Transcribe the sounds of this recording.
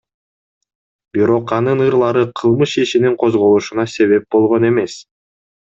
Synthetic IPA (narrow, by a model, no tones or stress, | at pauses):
biɾo̞qɑnɯnɯɾlˠɑɾɯqʰɯlˠmɯʃiʃiniŋqʰo̞zʁo̞lˠuʃunɑse̞βe̞p̚bo̞lˠʁo̞ne̞me̞s